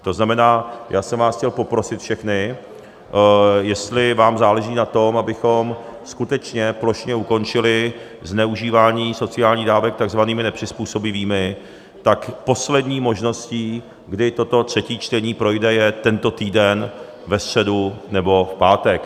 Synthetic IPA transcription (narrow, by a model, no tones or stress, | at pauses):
t̪o̞znamɛnaːjʔaːsɛmvaːsxcɛlpo̞pɾo̞sɪt̪fʃɛxnɪ | jɛst̪lɪvaːmzaːlɛʒiːnat̪o̞mabɪxo̞mskut̪ɛt͡ʃɲɛplo̞ʃɲɛuko̞nt͡ʃɪlɪ | znɛuʒiːvaːɲiːso̞t͡sɪaːlɲiːdaːvɛk̚t̪aɡzvaniːmɪnɛpr̝̥ɪspuːso̞bɪviːmɪ | t̪akpo̞slɛdɲiːmo̞ʒno̞sciː | ɡdɪt̪o̞t̪o̞t̪r̝̥ɛciːt͡ʃt̪ɛɲiːpɾo̞jdɛjɛt̪ɛnt̪o̞t̪iːdɛn | vɛfst̪r̥ɛdunɛbo̞fpaːt̪ɛk